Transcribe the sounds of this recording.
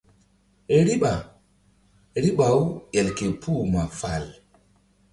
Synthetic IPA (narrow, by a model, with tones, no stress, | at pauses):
e˨ɾi˦ɓa˨ | ɾi˦ɓa˨u˦jɛ˨lke˨pu˦ma˨fa˨l